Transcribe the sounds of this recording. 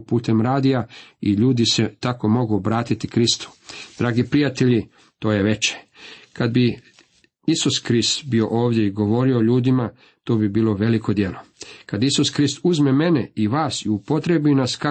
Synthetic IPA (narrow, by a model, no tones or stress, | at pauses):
puːt̪e̞mɾaːd̪ijaiʎuːd̪ise̞t̪ako̞mo̞ɡubɾaːt̪it̪ikɾist̪u̥d̪̥ɾaːɡipɾijat̪e̞ʎi | t̪o̞ːje̞ʋe̞t͡ʃe̥kad̪bi | isuskɾist̪bio̞ʔo̞ːʋd̪ʲje̞iɡo̞ʋo̞ːɾioʎuːd̪ima | t̪oːbibiːlo̞ʋe̞liko̞d̪je̞lokad̪isuskɾist̪uzmeme̞neiʋaːsiupo̞t̪ɾe̞binaska